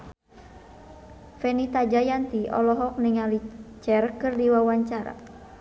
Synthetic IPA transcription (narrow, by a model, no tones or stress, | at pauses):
fɛnit̪ad͡ʒajant̪iʔɔ̰lɔɦɔk̚niŋalit͡ʃɛrkɨrdiwawaɲt͡ʃaɾa̰